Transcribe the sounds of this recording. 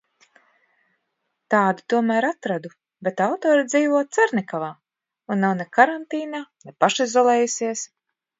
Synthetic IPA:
t̪aːd̪u̥t̪uɔmæːɾat̪ɾad̪u | bet̪awt̪ɔːɾid̪ziːvuɔːt̪saɾnʲɛkavaː | unːawnɛkaɾant̪iːnaːnɛpaʃizɔlˠɛːjusiɛs

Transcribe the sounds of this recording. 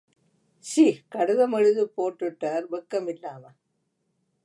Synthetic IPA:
siːkɐɽɯðɐmɐɻɯðɯpoːʈːɯʈːaːɾbɐkːɐmɪlːaːmɐ

